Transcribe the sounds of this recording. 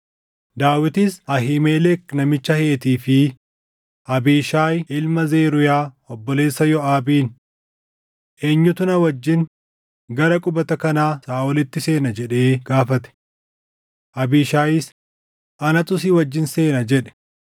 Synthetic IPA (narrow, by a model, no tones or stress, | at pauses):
d̪aːwɪt̪ɪsɐɦimeːlɛknɐmɪt͡ʃːɐheːt̪iːfɪ | ʔɐbiːʃaːjɪlmɐzeːɾʊjaː | ɔbːɔle̞ːsːɐjɔaːbiːn | ʔeːɲːʊt̪ʊnɐwɐd͡ʒːɪn | ɡɐɾɐkʼʊbɐt̪ɐkɐnaːsaːɔlɪt̪ːɪse̞ːnɐd͡ʒɛᶑe̞ːɡaːfɐt̪ɛ̥ | ʔɐbiːʃaːjɪs | ʔɐnɐt̪ʼʊsiwɐd͡ʒːɪnse̞ːnɐd͡ʒɛᶑɛ̥